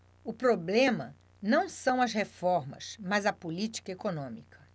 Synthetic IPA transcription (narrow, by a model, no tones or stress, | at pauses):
ʊpɾoblẽmɐ | nɐ̃w̃sɐ̃w̃ɐzhefɔɾmɐ̰smɐzɐpolit͡ʃi̥kɐekonõmikɐ̥